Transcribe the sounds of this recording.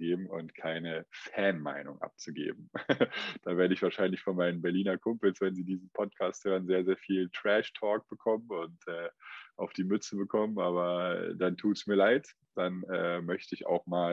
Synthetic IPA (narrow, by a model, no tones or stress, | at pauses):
ɡeːbm̩ʊ̰ntkʰaɪnəfɛɐnma̰ɪnʊ̰ŋʔa̰p̚t͡suɡḛːb̚m̩ | d̥aːveːɐɾəɪçv̥aːʃaɪnlɪçfɔnmaɪnənbɛɐliːnɐkʰʊmpl̩sv̥ɛnziːdiːzn̩pʰɔt̚kʰaːst̚høːʁənzeːɐzeːɐfiːltʁ̥ɛʃtʰɔːk̚b̥əkʰɔmənʊntʔɛːʔaʊfd̥iːmʏt͡səbəkʰɔmənʔaːβɐ̰d̥antʰuːtsmiːɐlaɪt | d̥anɛːmœçtəɪça̰ʊxmaː